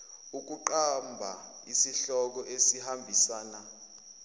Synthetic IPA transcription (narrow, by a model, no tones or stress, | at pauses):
uk̬uǃambʱa̰ | isiɬɔk̬ɔʔesihambʱisaːna